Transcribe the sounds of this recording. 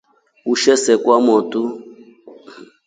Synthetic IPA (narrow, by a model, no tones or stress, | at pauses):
uʃɛsɛkwamɔtu